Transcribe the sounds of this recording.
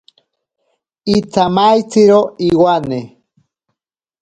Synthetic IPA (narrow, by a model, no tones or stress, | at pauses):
it͡sʰamajt͡siɾoiwane